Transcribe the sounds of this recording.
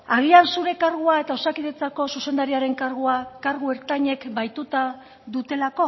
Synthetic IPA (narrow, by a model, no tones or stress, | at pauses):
aɣ̞iansuɾe̞kaɾɣuae̞t̪ao̞sakiðet͡sako̞suse̞nd̪aɾiaɾe̞ŋkaɾɣ̞uakaɾɣ̞ue̞ɾt̪aɲe̞kbajt̪ut̪a | ðut̪e̞lako̞